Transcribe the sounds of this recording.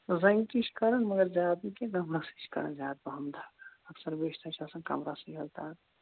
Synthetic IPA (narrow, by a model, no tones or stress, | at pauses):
zɐŋkiʃkɐɾɐnmɐɡɐɾzaːd̪ikeɡɐmɾasi̥ʃkɐɾɐ̰nd͡ʒaːd̪̚bɐɦɐmd̪ʱaːkɐksɐɾbeːʃt̪ʰat͡ʃʰaːsɐnkɐ̰mɾasiɦɐlt̪aːt̪